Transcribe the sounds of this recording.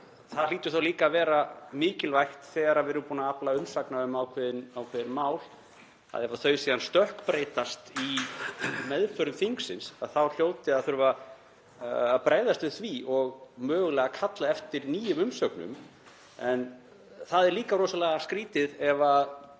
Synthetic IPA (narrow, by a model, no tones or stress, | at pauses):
θaðl̥iːt̪ʏ̥θawliːkaːvɛːɾamɪːcɪlvajxt̪θɛːɣaɾaɾvɛɾʏmpuːnaaplaʏnsaknaʏmawkʰvɛðɪnawkʰvɛːðɪnmawl | a̰ðɛɾvaθœɥsiːðanst̪œhkpɾeːjt̪ast̪i | mɛðfœɾʏmθiŋksɪnsaðθawl̥joːwt̪ɪaðθʏɾʏva | apɾaːjðast̪vɪðθviʔɔɣmœːɣʏlɛɣakʰat̪laɛft̪ɪɾniːjʏmʏmsœknʏ̰m | ɛn | θaðɛɾliːkaɾoːsalɛːɣaskɾiːt̪ɪðɛva